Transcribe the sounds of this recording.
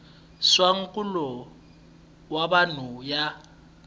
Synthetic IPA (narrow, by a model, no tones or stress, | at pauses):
swaŋ̩kʼulɔ | waban̤uja